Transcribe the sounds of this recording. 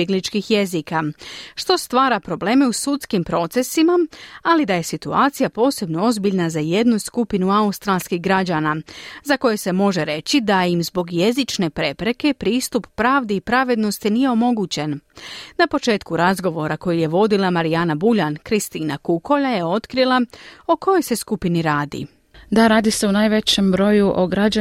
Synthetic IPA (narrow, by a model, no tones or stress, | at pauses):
eɡlit͡ʃkixje̞zikaʃt̪o̞st̪ʋaːɾapɾo̞ble̞ːme̞usut̪skimpɾo̞t̪se̞simaalid̪aje̞sit̪uaːt̪sijapo̞ːse̞bno̞o̞zbiʎnazaje̞d̪nuskupinuaust̪ɾalˠskiɣɡɾad͡ʑaːnazako̞jese̞mo̞ʒeɾe̞t͡ɕid̪aimzbo̞ɡje̞zit͡ʃne̞pɾe̞pɾe̞ke̞pɾiːst̪upːɾaːʋd̪iipɾaʋe̞d̪no̞st̪inije̞o̞mo̞ɡuːt͡ɕe̞nnapo̞t͡ʃe̞ːt̪kuɾazɡo̞ʋo̞ɾako̞jije̞ʋo̞d̪ilˠamaɾijanabuʎankɾist̪iːnakuko̞ʎaje̞o̞t̪kɾilˠao̞ko̞jo̞jse̞skupiniɾaːd̪ḭ | d̪aɾaːd̪ise̞unaːjʋe̞t͡ɕembɾo̞juʔoɡɾad͡ʒa